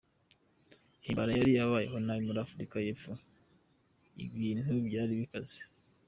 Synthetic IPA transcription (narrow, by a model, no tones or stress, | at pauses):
himbaɾajaɾijaβaːje̞̰ɦo̞najimuɾafuɾikajefu | ḭβiːn̥ubɟaːɾiβikaze̥